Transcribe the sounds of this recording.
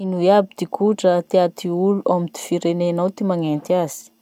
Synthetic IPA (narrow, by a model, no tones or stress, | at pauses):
inuiabid̪̥ikʰuʈ͡ʂət̪eat̪iuluʔamid̪̥i̥fiɾenenawt̪imaŋent̪iaz̥i̥